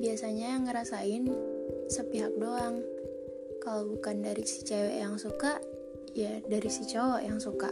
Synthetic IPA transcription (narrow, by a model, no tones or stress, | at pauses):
biasaɲajaŋːəɾasaɪnsəpiɦak̚doaŋ | kalabukandaɾisi̥t͡ʃawa̰jaŋsukaʔ | jadaɾisit͡ʃawaʔjaŋsuka̰